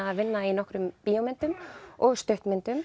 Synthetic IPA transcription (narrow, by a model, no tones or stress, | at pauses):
avɪnːainɔhkɾʏmpiːɔmɪnt̪ʏmɔɣst̪œɥht̪mɪnt̪ʏm